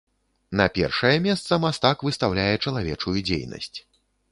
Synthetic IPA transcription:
nɐpʲɛ̰rʂɐjɛmʲɛst̪sɐmast̪akvɨst̪awlʲajɛt͡ʂɐlˠavʲɛ̰t͡ʂujud͡zʲḛjnɐ̰sʲt͡sʲ

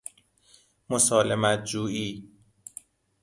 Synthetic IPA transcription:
mosɒːlemæt̪̚d͡ʒuːiː

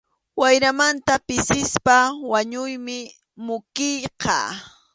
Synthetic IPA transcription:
wajɾamant̪apɪsɪspawaɲʊjmɪ | mʊkɪjqɑ̰

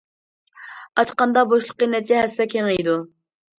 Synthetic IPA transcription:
ɑt͡ʃqɑnd̪ɑboʃlˠəqːənɛt̪ʰid͡ʒɛɦɛsːɛkʲʰeŋejd̪u

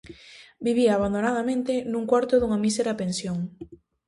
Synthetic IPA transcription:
biβiaːβand̪onaðamẽnt̪enũŋkwaɾt̪ʊðuŋamiseɾapensjoŋ

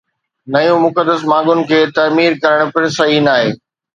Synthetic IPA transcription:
nɐjũmʊkəd̪ːəsmãːɠʊnɪ̆kʰeːt̪ɐmiːɾkɐɾəɽ̃pɪɽ̃sɐɦiːnaːɦeː

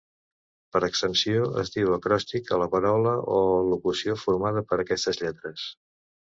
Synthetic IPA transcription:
pəɾəksənsioə̰zd̪iwəkɾɔst̪ikələpəɾawləʔolukusiofuɾmað̞əpəɾəkɛst̪əzʎɛt̪ɾəs

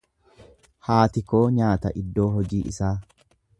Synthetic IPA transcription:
haːt̪ɪko̞ːɲaːt̪ɐʔɪd̪ːo̞ːɦɔd͡ʒiːʔɪ̰saː

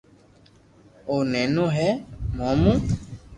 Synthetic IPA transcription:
onɛ̃nũɦɛmɔ̃mũ

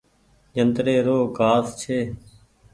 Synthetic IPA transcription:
d͡ʒənt̪ɾeːɾoːɡaːst͡ʃʰeː

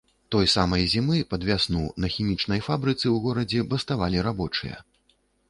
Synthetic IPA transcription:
t̪ɔjsamɐjzʲimɨpɐd̪vʲasnunɐxʲimʲit͡ʂnɐjfabɾɨt̪sɨwɣɔɾɐd͡zʲɛbɐst̪avalʲiɾabɔt͡ʂɨjɐ̰

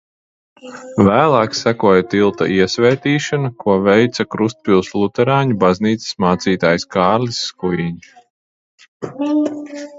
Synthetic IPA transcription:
væːlˠaːksækuɔjat̪ilˠt̪a̰ʔiɛsvʲɛːt̪iːʃanukuɔvɛjt̪sakɾust̪̚pʲilˠslˠut̪ɛɾɑːɲubazniːt̪si̥smaːt̪siːt̪aːjskaɑːɾlʲisːkujiɲ

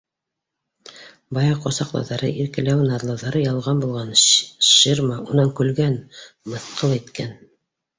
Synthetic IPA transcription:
bɑjɑqosɑqlˠɑ̰wðɑɾɤ̰ʔiɾkɘ̆læwnɑɾlˠɑðɑɾɤjɑlˠʁɑnbulˠʁɑnʃirmɑunɑŋkʉlɡænmɤ̆θqʰɤlˠit̪kæn

